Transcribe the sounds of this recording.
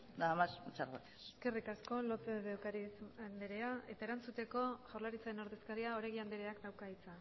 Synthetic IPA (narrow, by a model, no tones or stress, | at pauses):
d̪amast͡ʃaɾak̪e̥seske̞rikasko̞lo̞peðewkaɾisand̪eɾeae̞t̪aeɾant͡sut̪e̞ko̞ʝawɾlaɾit͡saɾenoɾðe̞skaɾiao̞ɾajɣiand̪eɾeaknawkait͡sa